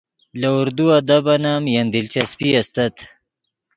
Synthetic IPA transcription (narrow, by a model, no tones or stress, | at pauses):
lauɾd̪uad̪abanamjand̪ilt͡ʃaspiast̪at̪